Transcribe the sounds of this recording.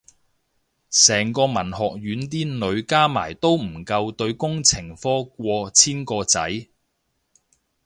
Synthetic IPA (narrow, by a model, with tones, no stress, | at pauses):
sɛː˨˩ŋkɔː˧mɐ˨˩nhɔː˨k̚ɥyː˨˥nt̪iː˥nɵ˨˧ɥkaː˥ma̰ː˨˩jt̪o˥wm̩˨˩kɐ˧wt̪ɵ˧ɥkʊ˥ŋt͡sʰɪ˨˩ŋfɔː˥k̚ʷɔː˧t͡sʰiː˥nkɔː˧t͡sɐ̰˨˥j